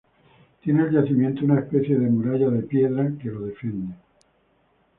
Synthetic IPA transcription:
t̪je̞neːlʝaθimjẽ̞nt̪ounaespe̞θje̞ðe̞muɾaʝaðe̞pje̞ðɾake̞lo̞ðe̞fje̞nd̪e

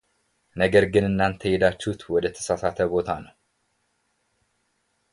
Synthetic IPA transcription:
nəɡəɾɡɨnɨnːant̪ʰəjɛd̪at͡ʃːuhut̪wɔd̪ət̪ʰə̥sasat̪ʰəbo̞t̪ʰanəw

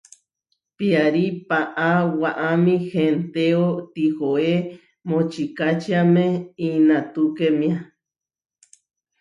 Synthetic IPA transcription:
piaɾipaʔawaʔamĩxent̪eot̪ihoe | mõt͡ʃikat͡ʃiamẽinãt̪ukemĩa

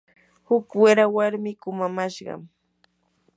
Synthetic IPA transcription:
hʊkwɪɾawaɾmɪkʊmamaʃɢɑ̰m

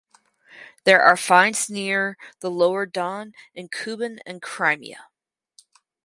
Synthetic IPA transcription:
ðə˞ʔə˞fãɪ̃nznɪɹðəloʊə˞dɔ̃nɨ̃nkʰʉbɨ̃nɨ̰̃nkʰɹ̥ãɪmḭɨ̰

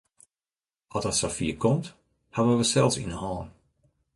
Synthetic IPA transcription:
ɔtəsafiəkʰɔmt | havənʋəsɛlˠsḭnəhɔːn

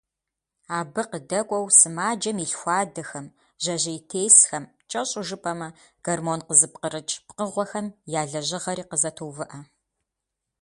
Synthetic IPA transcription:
aːbɨqədɐkʷʼɔwsɨmaːd͡ʒɐmiɬxʷɑːdɐxɐm | ʑ̥ɐʑɐjtʰeːjsxɐm | t͡ʃʼɐɕʼʊʒɨpʼɐmɐ | ɡ̥ɐrmoːnqəzɨp̚qəɾɨt͡ʃʼpqəʁʷɔxɐmjaːɮɐʑɪʁɐɾiːqəzɐtʰoːwvɨʔɐ

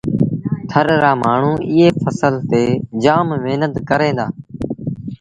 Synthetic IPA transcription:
t̪ʰəɾɾaːmaːɳ̤ũːʔɪɦeːfʰəsəlt̪eːd͡ʒaːmmeːnət̪kəɾẽːd̪aː

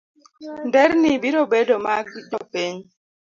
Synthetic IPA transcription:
n̩dɛɾnibiɾobedomakiɗɔpeɲ

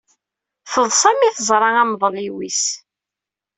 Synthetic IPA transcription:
θəðˤsˤæmiθəzˤɾˤɑæmðˤliwis

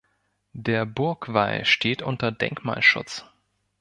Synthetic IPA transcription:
d̥eːɐbʊɐkv̥aɪʃtʰeːtʔʊntɐdɛ̰ŋkma̰ːlʃʊ̰t͡s

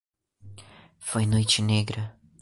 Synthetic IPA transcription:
fojnojt͡ʃɪneɡɾɐ

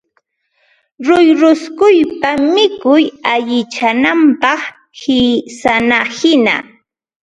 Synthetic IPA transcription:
ɾʊjɾʊskʊjpamɪkʊjaʎɪt͡ʃanampɑχ | hɪsanahɪna̰

